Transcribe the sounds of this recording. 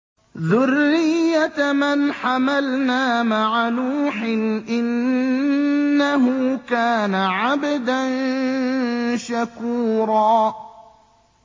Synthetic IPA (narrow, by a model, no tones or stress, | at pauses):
ðʊrːɪjːamɪnħamalnaːmaʕanuːħɪnʔɪn | aɦʊkaːnaʕabd̪an | ʃakuːɾˤɑː